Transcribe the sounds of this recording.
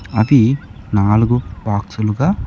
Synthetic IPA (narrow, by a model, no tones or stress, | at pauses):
ɐd̪inaːluɡubaːksuluɡaː